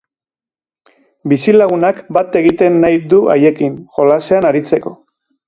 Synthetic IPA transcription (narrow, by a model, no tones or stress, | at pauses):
bisilaɣunakbat̪e̞ɣit̪e̞nːajd̪ua̰je̞kinxo̞lase̞anaɾit͡se̞ko̞